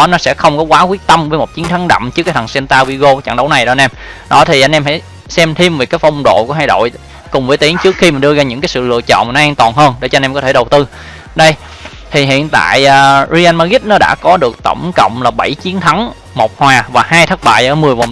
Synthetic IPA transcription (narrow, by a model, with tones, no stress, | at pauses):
ɔ˨˦nɔ˨˦sɛ̰˧˥xə˧wŋ͡mkɔ˨˦kwaː˨˦kwi˦˥ək̚t̪ə˧mvəː˨˦jmo˨˩t̚t͡ɕi˨˦nt̪ʰa˨˦ŋɗa̰˧˨mt͡ɕɨ˦˥kaː˨˦jt̪ʰa˨˩ŋsɛ˧nt̪aː˧wi˧ɣo˧t͡ɕa̰˧˨ŋɗə˨˦wna˨˩jɗɔ˨˦˧nʔɛ˧mɗɔ˨˦t̪ʰi˨˩ʔa˧nʔɛ˧mha̰˧˥˩j | sɛ˧mt̪ʰi˧mvi˨˩kaː˨˦jfɔ˧wŋ͡mɗo̰˧˨ku˧˩əɦaː˧jɗo̰˧˨j | kʊ˨˩ŋ͡mvəː˨˦t̪i˨˦əŋt͡ɕɨ˦˥k̚xi˧mi˨˩nɗɨ˧əzaː˧ɲɨ̰˧˥ŋkaː˨˦jsɨ̰˧˨lɨ̰˧˨ət͡ɕɔ̰˧˨ma˨˩nɔ˨˦aː˧ŋt̪waː˨˩nɦəː˧nɗe˧˩t͡ɕɔ˧nʔɛ˧mkɔ˨˦t̪ʰe˧˩ɗə˨˩wt̪ɨ˧ | ɗə˧j | t̪ʰi˨˩ɦḭ˧˨ənt̪a̰ː˧˨jʔːzi˧ʔaː˧nmaː˧ɣi˦˥t̚nɔ˨˦ɗa̰ː˧˥kɔ˨˦ɗɨ˨˩ək̚t̪ə̰˧˩wŋ͡mkə̰˧˨wŋ͡mlaː˨˩ɓə˧˩jt͡ɕi˨˦ənt̪ʰa˨˦ŋ | mo˨˩k͡p̚hwaː˨˩vaː˨˩haː˧jt̪ʰə˦˥t̚ɓa̰ː˧˨jʔəː˧˩mɨ˨˩əjvə˨˩